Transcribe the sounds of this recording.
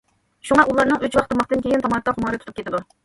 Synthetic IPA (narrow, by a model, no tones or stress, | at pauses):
ʃuŋɑʔulˠɑɾnɨŋʔøt͡ʃwɑqt̪ʰɑmɑqt̪ɨnkʲʰejɪnt̪ʰɑmɑt̪ɑχʊmɑːɾɨt̪ʰʊt̪ʰupkʰʲet̪ʰɪd̪u